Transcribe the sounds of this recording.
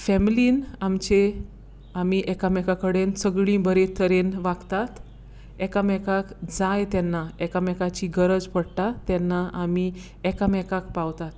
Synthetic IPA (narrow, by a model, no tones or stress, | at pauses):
fɛmiliːnamt͡ɕe | amiʔɛkamɛkakəɽensəɡɭĩbəɾet̪ʰəɾenʋaɡt̪at̪ | ɛkamɛkakd͡zajt̪ɛnːaɛkamɛkat͡ɕiɡəɾəd͡zpəɽt̪at̪ɛnːaʔami | ɛkamɛkakpawt̪at̪